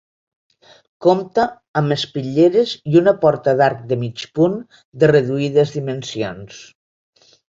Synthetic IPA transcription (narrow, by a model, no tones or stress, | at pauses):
komt̪əː | mespiʎeɾeziunəpɔɾt̪əðaɾk̚d̪əmit͡ʃpun | d̪ərəðuið̞əzðimənsions